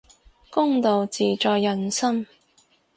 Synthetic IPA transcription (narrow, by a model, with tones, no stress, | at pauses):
kʊ˥ŋt̪o˨wt͡siː˨t͡ʃɔː˨jːɐ˨nsɐ˥m